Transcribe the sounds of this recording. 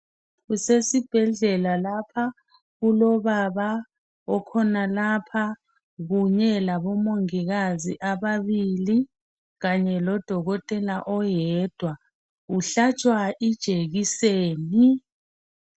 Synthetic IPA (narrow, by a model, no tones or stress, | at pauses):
ɣusesib̥ʱɛɮɛlalapʰa | ɣulɔβaβa | ɔkʰɔnalapʰa | ɣuɲɛlaβɔmoŋiɣaziʔaβaβili | ɣaɲɛlɔd̥ʱɔɣɔtʼɛlaʔɔjɛːd̥ʱwa | uɬat͡ʃʼwaʔid̥ʒ̥ʱeɣiseːni